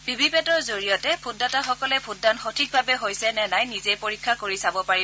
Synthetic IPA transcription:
b̥ibipɛtɔɹzoɹijɔtɛpʰudataxɔkɔlɛpʰudːantxotʰik̚bʱabɛɦojsɛnɛnajnizejpoɹikʰːakoɹisabɔpaɹi

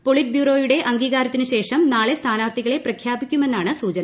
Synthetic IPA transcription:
po̞ɭit̚bjuːro̞ːjuɽe̞ʔɐŋɡiːɣaːɾɐt̪ːinɨɕe̞ːʂɐmnaːɭe̞st̪ʰaːnaːrt̪ʰiɣɐɭe̞prɐkʰjaːbikʲːume̞nːaːɳɨsuːt͡ɕɐnɐ

